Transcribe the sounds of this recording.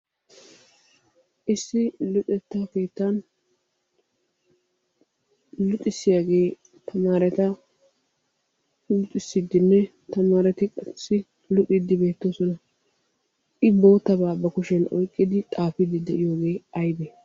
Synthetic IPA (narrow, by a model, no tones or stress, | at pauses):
ʔɪsːɪlʊt̪ʼɛt̪ːake̞ːt̪ːɐn | lʊt̪ʼːɪsːɪjaːɡe̞ː | t̪ʰɐmaːɾɛt̪ɐ | lʊt̪ʼːɪsːɪd̪ːɪnːɛ | t̪ɐmaːɾɛt̪ɪkʼɐsːɪ | lʊt̪ʼɪd̪ːɪbe̞ːt̪ːoːsɔnɐ | ʔɪbo̞ːt̪ːɐbaːbɐkʊʃɛnɔ̰jkʼːɪd̪ɪt̪ʼaːfɪd̪ɪd̪ɛʔɪjo̞ːɡe̞ːɐjbɛ